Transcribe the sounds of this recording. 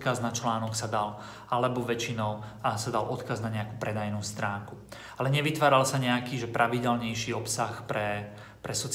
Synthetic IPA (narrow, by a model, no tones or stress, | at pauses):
kaznat͡ʃlaːnɔksad̪al | alɛbɔʋɛt͡ʃinɔʊsad̪alʔɔt̪kaznaɲɛakuːpɾɛd̪ajnuːst̪ɾaːŋku | alɛɲɛʋit̪ʋaːɾalsaɲɛakiːʒɛpɾʔaʋiɟɛlɲɛjʃiːɔpsaxpɾɛ | pɾɛsɔt͡s